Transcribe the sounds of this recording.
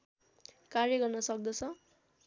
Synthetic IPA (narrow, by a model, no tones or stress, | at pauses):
karjʌɡʌrnʌsʌk̚d̪ʌt͡sʰʌ